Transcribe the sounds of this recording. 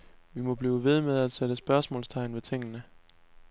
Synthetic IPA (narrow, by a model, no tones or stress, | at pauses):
ʋimɒ̽b̥liːʊʋe̝ð̞ˠmeðˠæd̥seɾ̥əsb̥ɶɐsmɔ̰ːlst͡sʰɑ̈ɪ̰nʋet͡sʰeŋ̰ənə